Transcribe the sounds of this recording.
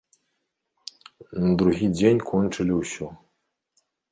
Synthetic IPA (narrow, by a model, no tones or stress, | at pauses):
nɐd̪ɾuɣʲid͡zʲenʲkʰɔnt͡ʂɨlʲiwsʲɔ